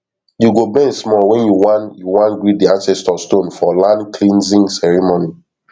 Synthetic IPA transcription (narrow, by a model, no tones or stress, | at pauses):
juɡobɛ̃nsmɔwɛ̃njuwanjuwãnɡɹidiãnsɛstɔstõnfɔlãnkʰlĩnzĩŋsɛɹimoni